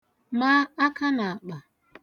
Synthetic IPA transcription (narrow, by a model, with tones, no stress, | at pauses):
ma˦a˦ka˦na˨a˨k͡pa˨